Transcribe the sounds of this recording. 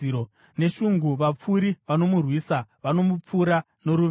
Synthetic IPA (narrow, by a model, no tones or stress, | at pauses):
o | ne̞ʃuŋɡuʋap͡fuɾiʋano̞murwiːsaʋano̞mup͡fuːɾa | no̞ɾuʋ